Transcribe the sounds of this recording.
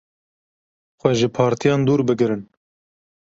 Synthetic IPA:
xʷɛʒɨpʰɑːɾt̪ʰijɑːnd̪uːɾbɨɡɾɨn

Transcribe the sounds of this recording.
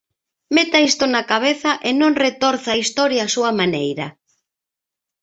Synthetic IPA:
met̪aist̪ʊnakaβ̞eθɐʔenõŋret̪ɔɾθaist̪ɔɾjaːsuɐmanejɾɐ

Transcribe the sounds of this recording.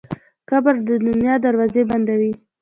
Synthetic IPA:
kabaɾd̪əd̪ʊnjɑd̪aɾwɑzeband̪awi

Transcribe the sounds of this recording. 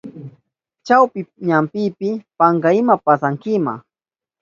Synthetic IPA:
t͡ʃawpɪɲampɪpɪpaŋɡaɪmapasaŋkɪma̰

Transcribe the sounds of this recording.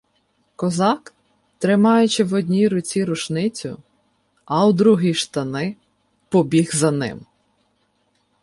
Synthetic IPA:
kɔzɑk | t̪ɾɪmɑjʊt͡ʃɪwɔdʲnʲiɾʊt͡sʲiɾʊʃnɪt͡sʲʊ | ɐwd̪ɾuɦiʃt̪ɐnɪ | pɔbʲiɣzɐnɪ̰m

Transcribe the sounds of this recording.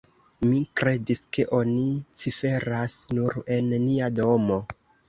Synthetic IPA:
mikɾe̞diske̞ʔo̞nit͡sife̞ɾasnuɾe̞nːiado̞mo̞

